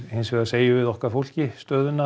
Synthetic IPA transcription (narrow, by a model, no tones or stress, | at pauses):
hɪnsvɛɣaseːjɪvɪðɔhkaɾfowl̥cɪst̪œːðʏna